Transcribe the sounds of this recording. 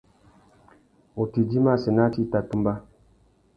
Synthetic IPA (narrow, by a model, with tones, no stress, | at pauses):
o˨ti˨d͡ʒi˦ma˦˨se˨na˦ti˦˨ta˨tu˦mba˦